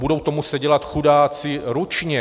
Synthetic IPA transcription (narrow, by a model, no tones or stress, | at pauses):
budo̞wt̪o̞musɛɟɛlat̪xudaːt͡sɪɾut͡ʃɲɛ